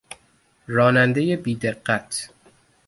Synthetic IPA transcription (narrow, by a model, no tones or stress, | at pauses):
ɾɒːnænd̪e̞je̞biːd̪e̞ɢːæt̪ʰ